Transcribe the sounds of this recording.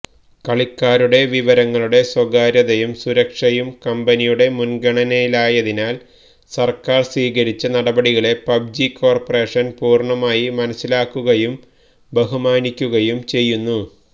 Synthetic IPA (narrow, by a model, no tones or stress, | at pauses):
kɐɭikːaːɾuɽe̞ʋiʋɐɾɐŋːɐɭuɽe̞swɐɡaːɾjɐðɐjumsuɾɐkʂɐjumkɐmbɐnijuɽe̞munɡɐɳɐnɐjilaːjɐðinaːl | sɐrkaːrswiːɣɐɾit͡ɕːɐnɐɽɐbɐɽiɣɐɭe̞pɐbd͡ʑikːo̞ːrpɐreːʂɐnpuːrɳɐmaːjimɐnɐsːilaːkːuɣɐjum | beɦumaːnikʲːuɣɐjumt͡ɕe̞jːunːu